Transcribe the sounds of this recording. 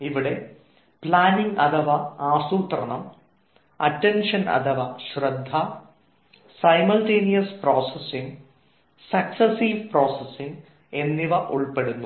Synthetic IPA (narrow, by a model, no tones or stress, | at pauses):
iʋiɽe̞ | pɭaːniŋɡɐd̪ʱɐʋɐaːsuːt̪rɐɳɐm | ɐ̰ʈːenʂɐnɐ̰d̪ɐʋɐɕrɐd̪ʱːa | sɐjmɐlʈeːnijɐsproːsesiŋɡ | sɐksɐsiːʋproːsesiŋɡ | e̞nːiʋɐʔuɭpe̞ɽunːu